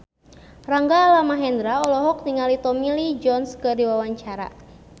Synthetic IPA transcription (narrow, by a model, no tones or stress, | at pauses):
raŋɡaːlamaɦɛnd̪ɾaɔlɔɦɔk̚niŋalit̪ɔmilid͡ʒɔnskədiwawaɲt͡ʃaɾa̰